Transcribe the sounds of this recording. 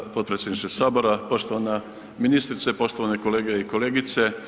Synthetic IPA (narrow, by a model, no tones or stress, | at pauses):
po̞t̪̚pɾesjed̪niʃt̪osaːbo̞ɾapo̞ʃt̪oʋana | minist̪ɾit̪sepo̞ʃt̪oʋaneko̞leːɡeikoleːɡit̪se